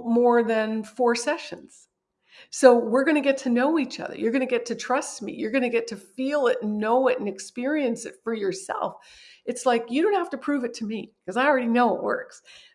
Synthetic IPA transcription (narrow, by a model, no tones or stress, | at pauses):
mɔɹðɨ̃nfɔɹsɛʃɨ̃nz̥ | soʊwɪɹɡʌñɨɡɛtʰɨnoʊit͡ʃʌ̰ðə̰˞jə˞ɡʌñɨɡɛtʰɨtʰɹ̥ʌst̚mḭjə˞ɡʌñɨɡɛtʰɨfilˠɪɾnoʊɪɾɨ̃nɨkspɪɹiɨ̃nsɨ̰tfə˞jə˞sɛ̰lˠfɨtslaɪkjɨɾõʊ̃nt̚hæftɨpʰɹ̥ʉvɨtʰɨmikʰʌzaɪl̩ˠɹɛɾinoʊɪ̰ʔwɜ̰˞ks